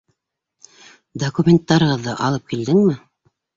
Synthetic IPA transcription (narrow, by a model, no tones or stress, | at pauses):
d̪ɐkumʲent̪ːɑɾɤ̆ʁɤðːɤʔɑlˠɤp̚kild̪ɘŋmɘ